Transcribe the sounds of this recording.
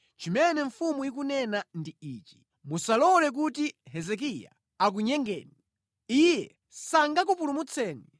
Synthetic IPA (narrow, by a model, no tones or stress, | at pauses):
t͡ʃimɛnɛɱfumujik̬unɛnandiiːt͡ʃi̥ | musalɔlɛk̬utiɦɛzɛk̬ija̰ | ak̬uɲɛŋɡɛ̰ːni | ijɛ | saŋɡakupulumut͡sʰɛːni